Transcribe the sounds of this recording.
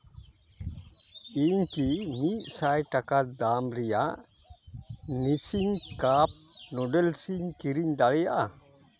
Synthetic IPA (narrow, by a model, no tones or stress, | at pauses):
iːɲkimiʔsajʈakad̪aːmɾija | nisiŋkap̚nɔɖelsiɲkiɾiɲd̪aɭɛjaa